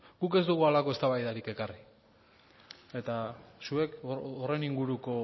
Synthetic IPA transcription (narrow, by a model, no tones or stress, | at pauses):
ɡ̥uke̞zd̪uɣualako̞e̞st̪aβajðaɾike̞kari | e̞t̪asue̞kːre̞niŋɡuɾuko̞